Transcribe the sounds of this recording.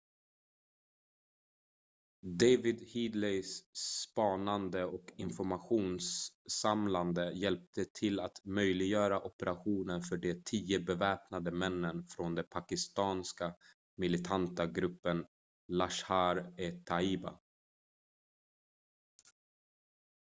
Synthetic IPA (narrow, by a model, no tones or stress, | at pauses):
d̪ejvɪd̪hiːd̪lɛjsːpɑːnand̪əɔkɪnfɔɾmaɧuːnsːamland̪əjɛlp̚t̪ʰət̪ʰɪlat̪mœjlɪɡjœːɾaʔɔpɛɾaɧuːnənfœɖɛt̪ʰiːəbɛvɛːpnad̪əmɛnːənfɾond̪ɛpʰakɪst̪ɑːnska | mɪlɪt̪ʰant̪aɡɾɵpːən | laʂhaɾɛt̪ʰaiːba̰